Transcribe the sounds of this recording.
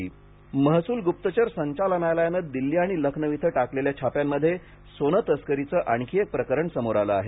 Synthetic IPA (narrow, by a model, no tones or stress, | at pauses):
məɦsuːlɡup̚t̪ət͡ɕəɾsəɲt͡ɕalənajlajanəd̪̚d̪ilːiːaɽ̃iləkʰnəʋit̪ʰəʈakleljat͡ɕʰapjamːəd̪ʱːje | sonət̪əskəɾit͡səʔaɳkʰiek̚pɾəkəɾəɳsəmoɾaləaɦe